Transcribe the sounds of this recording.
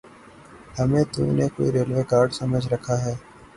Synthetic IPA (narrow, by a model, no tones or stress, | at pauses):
hɐmẽt̪ṵ̃neko̰ːiɾeːlʋeːkaːɾɖsɐməd͡ʒʱɾɐkʰaɦɛː